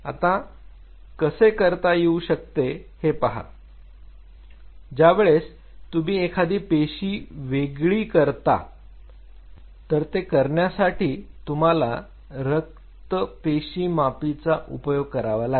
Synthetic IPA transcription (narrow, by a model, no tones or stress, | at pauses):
a̰t̪a | kəsekəɾt̪ajeuɕək̚t̪ehepaɦa̰ | d͡ʑjaʋeɭes | t̪umiːekʰad̪iːpeɕiːʋeɡɭiːkəɾt̪a̰ | t̪əɾt̪ekəɾɳjasaʈiːt̪um̤ala | ɾək̚ | t̪əpeɕiːmapit͡saʔupəjoɡ̚kəɾaʋalaɡ